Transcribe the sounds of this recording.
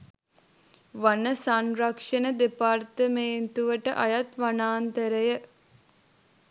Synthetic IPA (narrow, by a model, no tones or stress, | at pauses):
ʋanəsanrakʂənəd̪epart̪əmeːnt̪uʋəʈəʔajat̪ʋanaːnt̪əɾəjə